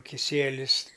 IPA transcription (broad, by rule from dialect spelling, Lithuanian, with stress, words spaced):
kʲɪˈsʲiɛlʲɪs